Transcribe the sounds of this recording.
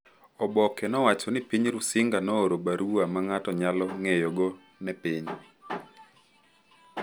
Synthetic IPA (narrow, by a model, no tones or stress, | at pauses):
ɔbɔkɛnɔwat͡ʃɔnɪpiɲɾʊsɪŋɡanɔoɾobaɾuamaŋatɔɲalɔŋejɔɡɔ | nɛpiɲ